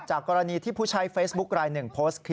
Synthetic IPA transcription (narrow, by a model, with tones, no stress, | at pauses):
t͡ɕaː˨˩kːɔː˧ɾa˧niː˧t̪ʰiː˥˩pʰuː˥˩t͡ɕʰa˦˥jfeː˦˥sbu˦˥k̚ɾaː˧jnɯ˨˩ŋpʰoː˦˥skʰi˦